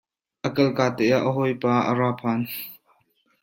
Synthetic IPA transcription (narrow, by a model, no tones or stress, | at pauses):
ʔəkɐlkaːt̪ɛjaʔəɦɔjpaːʔə̰ɾaːpʰaːn